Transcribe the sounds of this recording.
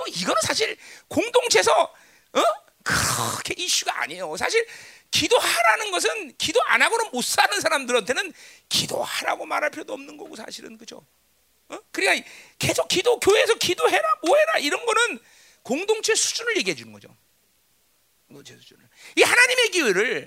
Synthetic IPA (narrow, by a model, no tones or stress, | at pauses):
ʌiɡʌnɯnsʰaɕʰiɭkoŋdoŋt͡ɕʰe̞sʰʌ | ʌ | kɯkʰe̞ʔiɕ͈uɡa̰ːɲejosʰaɕ̬ʰiɭ | kidohaɾanɯnɡʌs̬ʰɯnkidoa̰naɡonɯnmos͈anɯnsʰaɾamdɯɾantʰenɯnkido̰haɾa̰ɡoma̰ɾɦaɭpʰjodoʌmnɯnɡʌɡosʰa̰ɕʰiɾɯ̰nkɯd͡ʑo̰ | ʌkɯɾik͈ake̞sʰok͈ːidokjoesʰʌkidoɦe̞ɾamoɦe̞ɾaiɾʌnɡʌnɯn | koŋdoŋt͡ɕʰe̞sʰu̥d͡ʑunɯɭje̞ɡiɦed͡ʑunɯnɡʌd͡ʑo̰ | ɡʌt͡ɕʰesʰu̥d͡ʑunɯɭihanaɲime̞kiweɾɯɭ